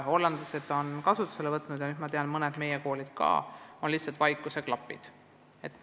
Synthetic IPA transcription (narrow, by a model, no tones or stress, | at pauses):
o̞lːɑnd̪̥lɑse̞d̪̥o̞nkɑsut̪ːˑu̥selevɤt̪ːnud̪jɑnyd̪̥mɑt̪eɑnmɤned̪̥me̞jeko̞ːlid̪̥kɑ̰ːo̞nlihtsɑlt̪vɑjkːˑuse̞klɑpːˑḭd̪̥ | e̞t̪ːˑ